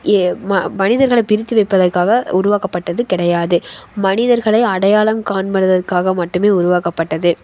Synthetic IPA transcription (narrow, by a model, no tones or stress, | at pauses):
mɐnɪðɐɾɣɐɭɐɪpɪɾɪt̪ːɯʋɐɪpːɐðɐrkaːɣɐʊɾʊʋaːkɐpːɐʈːɐðɯkɪɽɐjaːðɯmɐnɪðɐɾɣɐɭɐɪɐɽɐjaːɭɐmkaːnmɐɾɯðɐrkaːɣɐmɐʈːɯmeːʊɾʊʋaːkɐpːɐʈːɐðɯ